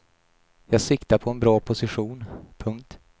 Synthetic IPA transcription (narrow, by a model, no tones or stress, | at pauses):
jɑːɡsɪkt̪apʰɔɛnbɾɑːpʰʊsɪɧuːnpʰɵŋk̚t̪